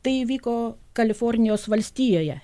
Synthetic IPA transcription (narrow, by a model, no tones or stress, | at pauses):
t̪ɐɪiʋʲiːkoːkɐlʲɪfoɾʲnʲɪjoːsʋɐlʲsʲt̪ʲiːjoːjɛ